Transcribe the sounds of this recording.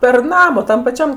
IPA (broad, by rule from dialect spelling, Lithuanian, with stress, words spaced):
pʲɛr ˈnɑːmɐ ˈtɐm pɐˈt͡ʃʲɛm